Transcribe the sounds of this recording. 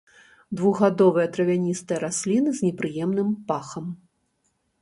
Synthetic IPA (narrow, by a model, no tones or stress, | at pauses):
d̪vuɣɣad̪ɔvɨjɐt̪ɾɐvʲanʲist̪ɨjɐɾasʲlʲinɨzʲnʲɛpɾɨjɛmnɨmpaxɐm